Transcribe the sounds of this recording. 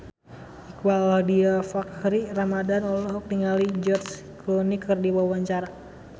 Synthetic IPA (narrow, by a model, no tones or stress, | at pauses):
ikwaladiafakhɾiramadanɔlɔɦɔk̚niŋalid͡ʒɔrs | klɔnikʰɨrdiwawaɲt͡ʃaɾa